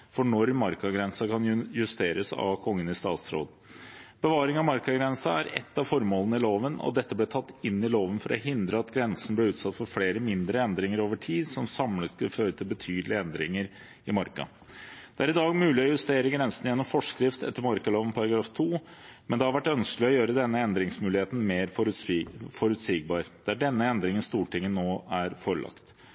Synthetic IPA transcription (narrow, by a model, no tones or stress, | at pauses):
fɔɳɔɾmɑɾkɑɡɾɛnsɑkʰɑnjʉst̪eːɾəsɑ̰ʋkʰɔŋːənɪst̪ɑ̰ːt̪sɾo̰ːd̪ | b̥əʋɑːɾɪŋɑmɑɾkɑɡɾɛnsɑæɾɛ̰t̪ːɑfɔɾmoːlˠənəɪloːʋənɔ̰d̪ɛt̪ːəblɛːt̪ʰɑt̪ːɪnːɪloːʋənfɔɾʔɔ̰ɦɪnd̪ɾəɑt̪ɡɾɛnsn̩blɪʉːt̪sɑt̪ːfɔɾfleːɾəmɪnd̪ɾəɛnd̪ɾɪŋəɾoːʋəʈʰiːd̪sɔmsɑmlət̪skʉlføːɾət̪ʰɪlbət̪ʰyːd̪lɪəɛnd̪ɾɪ̰ŋəɾ | ɪmɑɾkɑ̰ | d̪̥ɛæɾɪd̪ɑːɡmʉːlɪɔjʉst̪eːɾəɡɾɛnsən̩jɛnːɔmfɔʂkɾɪft̪ɛt̪ːəɾmɑɾkɑloːʋənpʰɑɾɑɡɾɑːft̪ʰuːmɛnd̪ɛhɑɾʋæʈːœnsklɪɔjøːɾəd̪ɛnːəɛnd̪ɾɪŋsmʉːlɪheːt̪n̩meːɾ | fɔɾʉt̪siːɡ̚bɑːɾd̪̥ææɖɛnːəɛnd̪ɾɪŋənst̪uːʈɪŋːənːoːæɾfɔɾɭʔɑ̰kt̪